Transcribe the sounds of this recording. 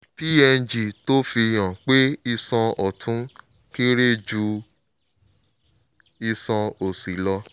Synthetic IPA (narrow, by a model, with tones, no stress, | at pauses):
pi˦ɛ˧n̩˦˨d͡ʒi˨to˦fi˧j̃ã˨k͡pe˦i˧sã˧ɔ˨tʰũ˨˦ | ki˦ɾe˦˨d͡ʒu˧ | i˧sã˧o˨si˨˦lɔ˧